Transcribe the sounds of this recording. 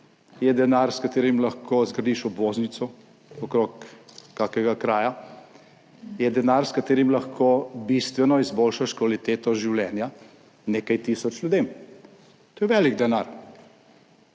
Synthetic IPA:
jɛd̪ɛnaɾskat̪eːɾimlaxkʰozɡɾɐd̪iʃɔbʋoːznit̪sɔ | ɔkɾoːkːakɛɡakɾaːja | jɛd̪ɛnaːɾskat̪eːɾimlɐxkʰobist̪ʋɛnɔizboːlʃaʃkʋalit̪eːt̪ɔʒiwljɛːnja | neːkajt̪isɔt͡ʃljud̪eːm | t̪oːjɛʋɛːliɡd̪ɛnaɾ

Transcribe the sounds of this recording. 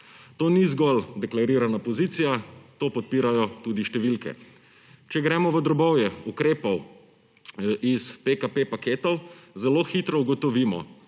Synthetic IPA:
t̪oːnizɡɔld̪ɛklaɾiːɾanapɔziːt̪sijat̪oːpɔt̪̚piːɾajɔt̪uːd̪iʃt̪ɛʋilkɛ̰ | t͡ʃɛɡɾɛːmɔʋəd̪ɾɔbɔwjɛukɾeːpɔw | ʔispekapepakeːt̪ɔwzɛloːxit̪ɾɔuɡɔt̪ɔʋiːmɔ̰

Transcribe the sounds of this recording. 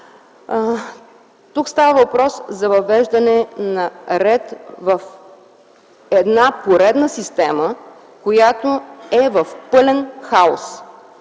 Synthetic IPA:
t̪ukst̪avəvɐpɾɔszɐvɐvɛʒd̪ɐnɛnɐɾɛt̪vɐf | ɛd̪napoɾɛd̪nəsist̪ɛmə | kojat̪oɛvɐfpɤlɛnxaos

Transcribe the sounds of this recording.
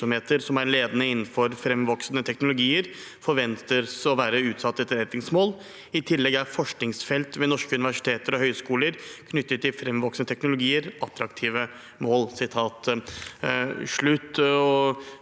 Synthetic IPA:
ɔmeːt̪əɾsɔmæɾɭeːd̪ənəɪnːən̩fɔɾfɾɛmʋɔksnət̪ʰɛknʊlʊɡiːəɾ | fɔɾʋɛnt̪əsɔʋæːɾəʉːt̪sɑt̪ːəɛt̪ːəɾɛt̪nɪŋsmoːl | ɪt̪ʰɪlːɛɡæɾfɔʂknɪŋsfɛlt̪ʋɛnɔʂkəʉnɪʋæʂɪ̥t̪ʰeːt̪əɾɔhœʏskuːləɾkʰnʏt̪ːət̪ʰːɪlfɾɛmʋɔksnət̪ʰɛknʊlʊɡiːəɾɑt̪ɾɑkt̪ʰiːʋə | moːlsɪt̪ʰɑːt̪ | ʂɭʉt̪ːɔ

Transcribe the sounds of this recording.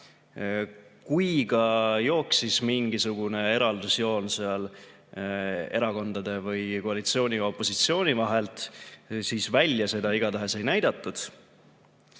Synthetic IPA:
kujɡɑjo̞ːksismiŋɡisuɡ̥une̞e̞ɾɑld̪̥usjo̞ːnseɑl | e̞ɾɑko̞nd̪̥ɑd̪̥e̞vɯjko̞ɑlit̪sio̞ːnʲio̞pːˑo̞sit̪sio̞ːnʲivɑɦe̞lt̪siːsvælʲjɑse̞d̪ɑiɡ̥ɑt̪æɦe̞se̞jnæjd̪̥ɑt̪ːˑud̪̥

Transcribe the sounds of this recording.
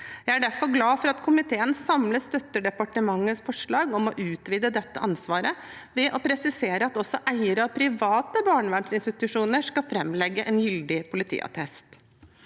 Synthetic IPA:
jæɪæɖæɾfɔɾɡlɑːfɔɾɑt̪kʰʊmɪt̪ʰeːənsɑmləst̪œt̪ːəɖɛpɑʈəmɑŋːəsfɔʂɭɑːɡɔmɔʔʉːt̪ʋiːd̪əd̪ɛt̪ːə̰ʔɑnsʋɑːɾə | ʋɛʔɔpʰɾɛsɪseːɾəɑt̪ɔsːɔʔæɪəɾəɑpʰɾɪʋɑːt̪əbɑːɳʋæɳʂɪnst̪ɪt̪ʉʂuːnəʂkɑfɾɛmːlɛɡːəʔɛnjʏld̪ɪpʰʊlɪt̪ʰḭːɑ̰t̪ʰɛst̪

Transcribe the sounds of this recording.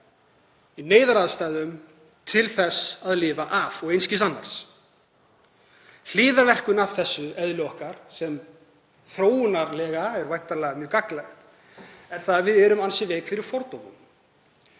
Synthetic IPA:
ineːjðaɾaðst̪aːjðʏm | t̪ʰɪlθɛsːaðlɪːvaʔavɔɣejnscɪsanːa̰ɾ̥s | l̥iːðaɾvɛr̥kʏnav̥θɛsːʏɛðljɔhkaɾ̥sɛm | θɾoːwnaɾlɛːɣaɛɾvajht̪aɾlɛːɣamjœːkaklaxt̪ | ɛɾ̥θaðvɪðɛːɾʏmansɪvɪːkfɪɾɪɾ̥fɔɾt̪owmʏ̰m

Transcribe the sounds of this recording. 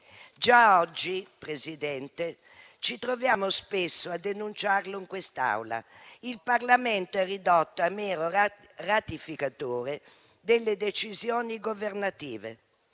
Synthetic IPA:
d͡ʒaɔd͡ʒːipɾezid̪ɛnt̪e | t͡ʃit̪ɾovjaːmospesːoad̪ːenunt͡ʃarloiŋkwɛst̪a̰wla̰ilpaɾlamɛnt̪oɛrːid̪ɔt̪ːoamɛːɾo | rat̪ifikat̪oːɾe | d̪ɛlːed̪et͡ʃizjɔːniɡoveɾnat̪iːvḛ

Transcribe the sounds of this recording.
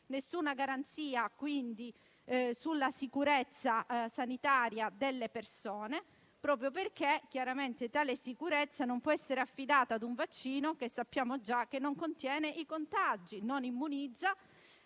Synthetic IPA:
nesːuːnaɡaɾant̪siːakwind̪i | sulːasikuɾɛt̪sːasanit̪aːɾjad̪elːepersɔːne | pɾɔːp̬ɾjoperk̟ek̟ːjaɾament̪et̪aːlesikuɾɛt̪sːanompwɔɛsːeɾeafːid̪aːt̪aːd̪uɱvat͡ʃːiːnokesːapːjaːmod͡ʒak̟ːenːoŋkont̪jɛːneʔikont̪ad͡ʒinonimːunid̪zːa

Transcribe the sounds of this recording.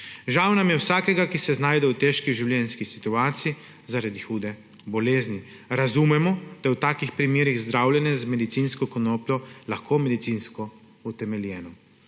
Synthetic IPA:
ʒawnamjɛwsaːkɛɡakisɛznaːjd̪ɛwt̪eʃkiʒiwljɛnskisit̪uaːt̪siji | zaɾad̪ixuːd̪ɛ | bɔleːzni | ɾazumɛmɔd̪̥ajwt̪aːkixpɾimeːɾiɣzd̪ɾawlʲjɛnɛzmɛd̪it̪sinskɔkɔnoːplʲjɔlaxkʰomɛd̪it̪sinskɔ | ut̪ɛmɛljɛːnɔ

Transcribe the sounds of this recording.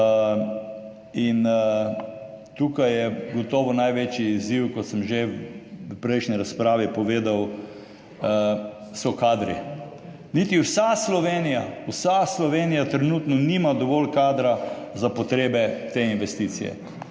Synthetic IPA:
in | t̪ukajɛɡɔt̪ɔːʋɔnajʋet͡ʃiːziwkɔt̪səmʒe | pɾɛjʃnɛɾaspɾaːʋipɔʋeːd̪aw | sɔkaːd̪ɾḭ | nit̪iwsaslɔʋeːnijawsaslɔʋenijat̪ɾɛnuːt̪nɔniːmad̪ɔʋɔlkaːd̪ɾazapɔt̪ɾeːbɛt̪einʋɛst̪it̪sḭjɛ̰

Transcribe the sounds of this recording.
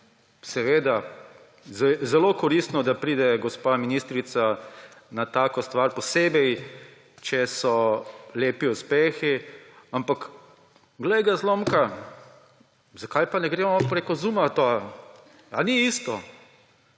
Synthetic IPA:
sɛʋeːd̪a | zɛzɛlokɔɾist̪nɔd̪apɾiːd̪ɛɡɔspaminist̪ɾit̪sanat̪aːkɔst̪ʋaɾpɔseːbɛj | t͡ʃɛsɔleːpiuspeːxiampak | ɡlɛjɡazloːmka | zakajpanɛɡɾeːmɔpɾekɔzuːmat̪a | aniist̪ɔ

